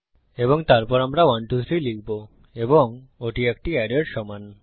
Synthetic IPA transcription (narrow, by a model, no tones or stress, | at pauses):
eboŋt̪aɾpɔɾamɾawanʈut̪ʰɾilik̚ʰbo | eboŋ | oʈiek̚ʈiɛɖeɾʃɔman